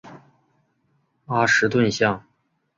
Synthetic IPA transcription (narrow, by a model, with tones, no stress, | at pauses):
a˥˩ʂɻ̩˧˥t̪̬wə˥˧nɕjɑ˥˩ŋ